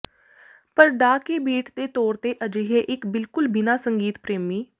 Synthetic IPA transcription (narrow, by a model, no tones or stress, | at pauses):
pəɾɖaːkeːbiːʈd̪eːt̪ɔːɾt̪eːʔəd͡ʒeɦeːʔɪkbɪlkʊlbɪnaːsəŋɡiːt̪pɾeːmiː